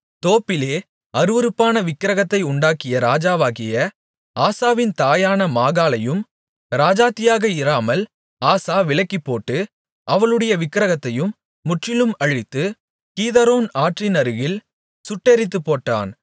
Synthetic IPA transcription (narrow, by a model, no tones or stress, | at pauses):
t̪oːpːɪleː | ɐɾɯʋɐɾɯpːaːnɐʋɪkːɪɾɐɣɐt̪ːɐɪʊɳɖaːkɪjɐɾaːd͡ʒaːʋaːɣɪjɐ | aːsaːʋɪnt̪aːjaːnɐmaːɣaːlɐjɯm | ɾaːd͡ʒaːt̪ːɪjaːɣɐɪɾaːmɐl | aːsaːʋɪɭɐkːɪpːoːʈːɯ | ʔɐʋɐɭɯɽɐjɐʋɪkːɪɾɐɣɐt̪ːɐjɯmː | ʊʈrɪlɯmɐɻɪt̪ːɯ | kiːðɐɾoːnaːʈrinɐɾɯɣɪl | sʊʈːeɾɪt̪ːɯpːoːʈːa̰ːn